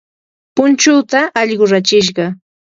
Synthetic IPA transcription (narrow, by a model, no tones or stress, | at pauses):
pʊnt͡ʃʊːt̪aʔɑʎɢʊɾat͡ʃɪʃ̬ɢɑ